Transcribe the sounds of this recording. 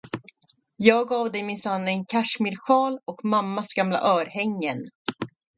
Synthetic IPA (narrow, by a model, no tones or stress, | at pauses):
jɑːɡɑːvd̪ɛjmɪnsanːɛnkʰaʂmɪɾɧɑːlɔkmamːasɡamla̰ʔœːɾhɛŋːən